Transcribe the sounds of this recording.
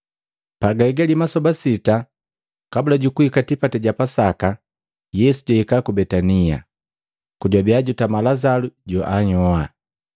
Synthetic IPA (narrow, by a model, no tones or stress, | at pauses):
paɡaɛɡalimasɔbasita | kabulaɟukuhikatipatɛɟapasaka | jɛsuɟahikakubɛtania̰ | kuɟwabiaɟutamalazaluɟɔʔaɲɔa